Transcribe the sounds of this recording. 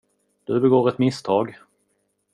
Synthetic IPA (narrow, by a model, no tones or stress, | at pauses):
d̪̥ɵbɛɡoːɾɛt̪mɪst̪ʰɑːɡ